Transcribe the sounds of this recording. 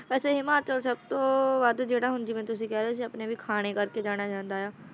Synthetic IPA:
ʋɛːseɦɪmaːt͡ʃəɾsəb̚t̪õːbaːd̪d͡ʒeːɽaːɦʊ̃nd͡ʒimɛ̃t̪ʊs̬ĩːkɛːɾes̬iɐpnebʱikʰaːɽ̃ekəɾked͡ʒaːɽ̃ad͡ʒãːnd̪aːɦjaː

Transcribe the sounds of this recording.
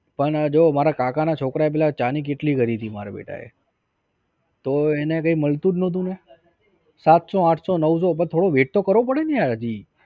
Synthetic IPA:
pəɳd͡ʒomaɾakakanat͡ʃʰokɾaep̬ɛlat͡ʃanik̬eʈliɡəɾit̪ʰimaɾa̰bḛʈa̰ḛ | t̪oenekəiməlt̪ud͡ʒnõt̪̬ũne | sat̪soãʈʰsonəʋsopət̪ʰoɽoʋeʈ̚t̪okəɾʋopəɽeniaɾad͡ʒi

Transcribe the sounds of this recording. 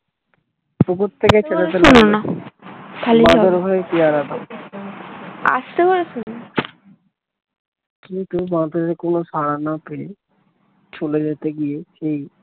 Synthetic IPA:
pukot̪ʰːeket͡ɕʰelet̪elunona | kʰaliãdoɾbʱaep̪iaɾad̪a | a̰ʃt̪ekoɾeʃuna | kint̪ubãd̪oɾekonosaɽanapee | t͡ɕʰoled͡ʑet̪eɡieʃej

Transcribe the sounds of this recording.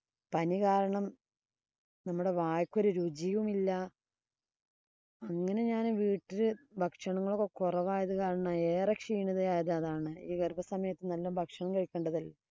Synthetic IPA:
pɐnikaːɾɐɳɐm | nɐmːuɽe̞ʋaːjkʲːo̞ɾuɾud͡ʑijʋumilːɐ | ɐŋːɐne̞ɲaːnʋiːʈːilɨbʱɐkʂɐɳɐŋːɐɭokːekurɐʋaːjɐðɨkaːɾɐɳae̞ːrɐkʂiːɳiðɐjaːjɐðɐðaːɳɨiːɡɐrbʱɐsɐmɐjɐt̪ːɨnɐlːɐmbʱɐkʂɐɳɐmkɐɻkʲːe̞ːɳɖɐðɐlːɐ

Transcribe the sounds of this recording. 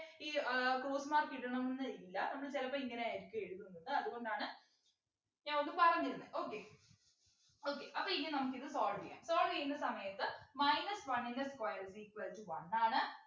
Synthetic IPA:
iːkroːsɨmaːrkiʈːɐɳɐmːnnːɐɾikːilːɐnɐmɐɭɨt͡ɕelɐpːoːiŋːɐneaːjiɾikʲːɨeɻuðunːɐðɨɐðɨɣo̞ɳɖaːɳɨ | ɲaːŋoɳːɨpɐrɐŋːilnːɨʔo̞ːkːe | oːkːḛʔɐpːoiŋːɐnenɐmukːiðɨsoːɭɡɐ̰ja̰ːmsoːlɡejund̪ɐsɐmɐjɐt̪ːɨmɐjnɐsʋɐɳːinɐskwɐjɾɐsiːkːɨʋɐðitːɨʋɐ̰nːaːɳɨ

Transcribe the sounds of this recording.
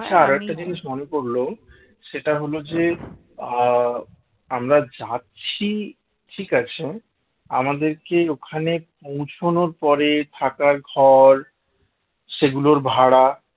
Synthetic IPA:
at͡ɕʰaaɾoɛk̚ʈad͡ʑiniʃmonekoɾlo | ʃeʈaɦolod͡ʑe | amɾad͡ʑaːɕʰi | ʈʰikat͡ɕʰe | a̰mad̪eɾkeokʰanepõwt͡ɕʰonoɾpɔɾet̪ʰakaɾɡʱɔɾ | ʃeɡuloɾbʱaɽa

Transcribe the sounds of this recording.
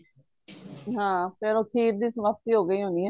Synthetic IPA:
ɦãːpʰɪɾoːkʰiːɾd̪iːsəməp̚t̪iːɦoːɡəiːɦõːnd̪iːɦɛː

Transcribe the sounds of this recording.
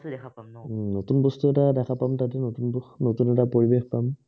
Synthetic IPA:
notunbɔstuɛtadɛkʰapamtat̬ɛnotunbɔxnotunɛtapoɹibexpam

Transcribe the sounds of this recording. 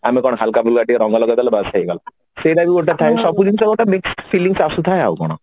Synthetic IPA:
amekɔɽ̃ɔɦalkabulɡaʈiɾɔ̃ŋɡalɔɡat̪alebasʰaiɡala | sed̪abiɡoʈat̪ʰajsɔpud͡ʒinsɔɡɔʈamiksʈfiliŋsasut̪ʰaea̰ukɔ̰ɽ̃ɔ̰

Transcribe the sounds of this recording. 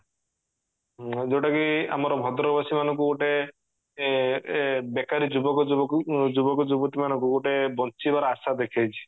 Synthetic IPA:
d͡ʒewʈakia̰mɔɾɔbʱɔd̪ɾɔbasimanɔ̃ŋkukoʈe | bekaɾid͡ʒubɔkɔd͡ʒubɔkɔd͡ʒubɔt̪imanɔŋkuoʈebɔnt͡ʃibaɾaasad̪ekʰajt͡ʃʰi̥

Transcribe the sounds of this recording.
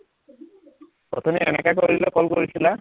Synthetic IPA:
pɔ̰t̪ʰɔmiɛnɛkakoɹilɛkɔlkoɹisila

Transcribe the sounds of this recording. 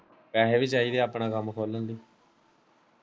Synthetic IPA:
pɛːɦeːʋiːt͡ʃaːiːd̪eːaːpɳãːkəmkʰoːlənd̪iː

